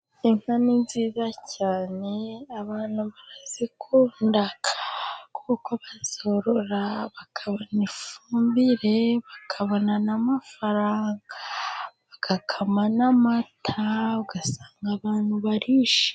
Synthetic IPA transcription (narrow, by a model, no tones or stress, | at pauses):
iŋ̥aninziːzacaːne̞aβaːn̥huβaɾazikʰuːndakʰḁkʰukoβazo̞ɾoɾaβakʰaβonifuuːmbiɾe̞βakʰaβo̞nanamafaɾaːŋɡaβakakʰamanamatʰauɡasaːŋɡaβaːnhuβaɾiːʃe̥